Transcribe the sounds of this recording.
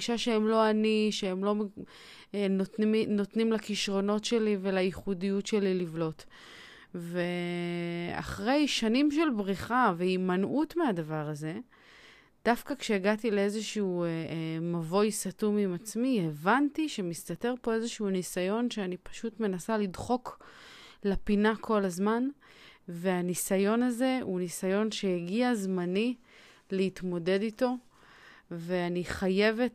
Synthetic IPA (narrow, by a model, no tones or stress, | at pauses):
iʃaʃeemlo̞aniʃeemlo̞ | notno̞t̪nimlakiʃʁo̞no̞tʃe̞live̞laiχudijutʃe̞lilivlo̞t | ve̞ | a̰χʁe̞jʃanimʃe̞lbʁiχaveimanʔutmeadavaʁaze̞ | d̥afkakʃe̞ːɡatile̞e̞zeʃuu | mavo̞jsatumimat͡smievantiʃe̞mistate̞ʁpo̞e̞zeʃuunisajo̞nʃeanipḁʃutme̞nasalidχo̞k | lapinakʰo̞lazmanve̞anisajo̞naze̞unisajo̞nʃe̞jaɡiazmani | leitmo̞de̞dito̞ | ve̞aniχaje̞ve̞t